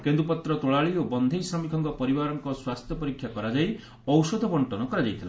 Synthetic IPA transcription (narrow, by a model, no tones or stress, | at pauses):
kend̪ɾupɔt̪ɾɔt̪oɭaɭiobɔnd̪ʱejsamikʰɔŋkɔpɔɾibaɾɔŋkɔswast̪ʰjɔpɔɾikʰːjakɔɾad͡ʒaj | ɔwsɔd̪ʱɔbɔɳʈɔnɔkɔɾad͡ʒajt̪ʰila